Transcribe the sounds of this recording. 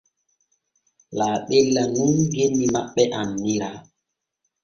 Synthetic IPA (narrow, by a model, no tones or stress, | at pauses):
laːɓelːanuŋɡenːimaɓɛʔanːiɾa